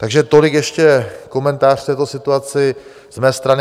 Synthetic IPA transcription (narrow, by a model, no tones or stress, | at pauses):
t̪aɡʒɛt̪o̞lɪkjɛʃcɛko̞mɛnt̪aːr̥ft̪ɛːt̪o̞sɪt̪uat͡sɪ | z̥mɛːst̪ɾanɪ